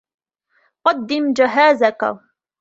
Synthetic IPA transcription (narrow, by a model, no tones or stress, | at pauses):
qɑd̪ːɪmd͡ʒaɦaːzaka̰